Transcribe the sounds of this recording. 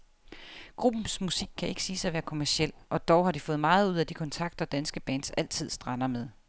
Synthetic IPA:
ɡ̥ʁub̥m̩smusiɡ̥̚kʰːæʔe̝ɡ̥siːsɑ̈ɪʋæːɐkʰo̝mæɐsiel̰ʔɒ̽d̥ɒʊhɑ̈d̥ifɔ̽ːð̞̩ˠmɑ̈ːð̞̩ˠuð̞̰ˠæd̥ikʰɒ̽nt͡sʰɑ̈ɡ̥̚d̥ɒd̥ænsɡ̥əb̥æːn̥sæl̰t͡sʰið̞̰ˠsd̥ʁɑnɐmeð̞ˠ

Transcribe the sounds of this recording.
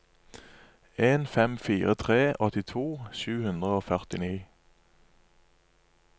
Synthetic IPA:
eːnfɛmfiːʁət̪ʰʁeːʔɔt̪ɪt̪ʰuːʃʉːhʉnd̪ʁəoːfœʁt̪ɪniː

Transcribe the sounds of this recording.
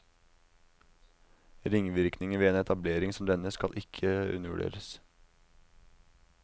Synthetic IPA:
ɾɪŋʋɪɾknɪŋəʋeːeːnɛt̪ʰɑbleːɾɪŋsɔmd̪ɛnəskɑlʔɪkʰəʉ̰nəʋʉ̰ɖḛːɾəs

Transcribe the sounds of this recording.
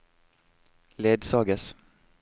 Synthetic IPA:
leːd̪sɑːɡəs

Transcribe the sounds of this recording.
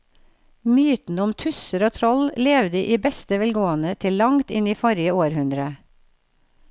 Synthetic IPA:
myːt̪n̩ʊmt̪ʰʉsəɾoːt̪ʰɾɔlleːʋd̪əːʔiːbɛst̪əʋɛlɡoːənət̪ʰɪllɑŋt̪ɪniːfɔɾjəoːɾhʉnd̪ɾə

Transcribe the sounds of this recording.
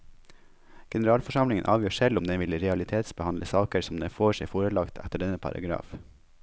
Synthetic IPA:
ɡ̥ɛnəɾɑːlfɔʂɑmlɪŋənʔɑːʋjøːʂɛlʊmd̪ɛːʋɪlɾɛɑlɪt̪ʰeːt̪sbəhɑnləsɑːkəɾsɔmd̪eːfoːʂɛɪfoːɾəlɑkt̪ʰɛ̰t̪əɖɛnːəpʰɑ̰ɾɑ̰ɡɾɑ̰ːf

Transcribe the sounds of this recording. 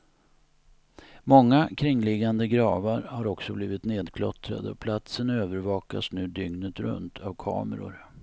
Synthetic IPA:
mɔŋːakʰɾɪŋːlɪɡand̪əɡɾɑːvaɾhaɾɔksɔbliːvɪt̪neːd̪kʰlɔ̰t̪ɾa̰d̪əɔpʰlat̪sənøːvəɾvɑːka̰snʉ̟ːd̪ʏŋnət̪ɾɵ̰nt̪ʰavkʰɑ̰ːməɾʊ̰ɾ

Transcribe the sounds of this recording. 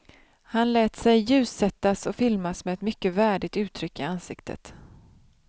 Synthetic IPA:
hanlɛːt̪sɛjːʉ̟ːsɛt̪ːasɔfɪlmasmɛɛt̪mʏkːəvæːɖɪt̪ʉ̟ːt̪ʰɾʏkːɪansɪkt̪ʰə̰t̪

